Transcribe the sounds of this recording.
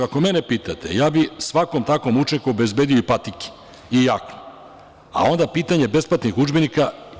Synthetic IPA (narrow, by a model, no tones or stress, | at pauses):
akomenepiːt̪at̪ḛjaːbisʋako̞mt̪ako̞mut͡ʃenkuobe̞zbeːd̪ioipat̪iki̥ | ijakno | a̰o̞nd̪apiːt̪aɲe̞be̞splˠat̪nixud͡ʒbenika